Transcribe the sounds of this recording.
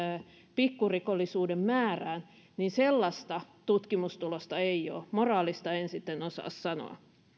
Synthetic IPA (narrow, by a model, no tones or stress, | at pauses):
pikːurikolːisuːdemmæːræːn | ninselːɑst̪ɑt̪ut̪kimust̪ulost̪ɑeio̰ːmorɑːlist̪ɑensit̪ːenosɑ̰ːssɑno̰ɑ̰